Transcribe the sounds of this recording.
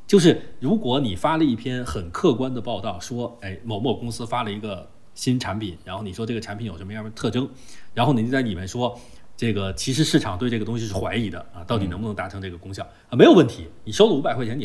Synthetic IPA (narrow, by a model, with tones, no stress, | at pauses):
t͡ɕjo˥˧ʊʂ̬ɻ̩˥˩ɻu˧˥kwɔ˧˥ni˨˩fa˥lə˨i˥˩pʰjɛ˥nxə˨˩nkʰɤ˥˩kwa˥nd̪ə˨pɑ˥˧ʊt̪ɑ˥˩ʊʂwɔ˥e˥˩ɪmo˨˩ʊmwɔ˥˩kʊ˥ŋsɹ̩˥fa˥lə˨i˧˥ɡə˧ | ɕi˥nʈ͡ʂʰa˧˥npʰi˨˩˦nɻa˧˥nxo˥˩ʊni˨˩ʂwɔ˥ʈ͡ʂɤ˥˩ɡə˩ʈ͡ʂʰa˧˥npʰi˧˥jʂm˧˥˩t̪ʰɤ˥˩ʈ͡ʂɤ˥ŋ | ɻa˧˥nxʊn˨˩˥t͡sa˥˩ɪni˨˩mə˥nʂwɔ˥ | ʈ͡ʂɤ˥˩ɡə˩t͡ɕʰi˧˥ʂɻ̩˧˥ʂɻ̩˥˩ʈ͡ʂʰɑ˨˩ŋt̪we˥˧ɪʈ͡ʂɤ˥˩ɡə˩t̪ʊ˥ŋɕ̬i˧ʂɻ̩˥˩xwa˧˥ɪi˨˩d̪ə̰˧˦ɐ˧t̪ɑ˥˩ʊt̪i˨˩n˧˥bnɤ˧˥ŋt̪a˧˥ɤ˧˥ŋʈ͡ʂɤ˥˩ɡə˩kʊ˥ŋɕjɑ˥˩˦ | ə˧m˧˥jo˨˩ʊwə˥˩nt̪ʰi˧˥ni˨˩ʂo˥ʊlə˨u˥pa˨˩ɪxe˥˩t͡ɕʰɛ˧˥n˨˩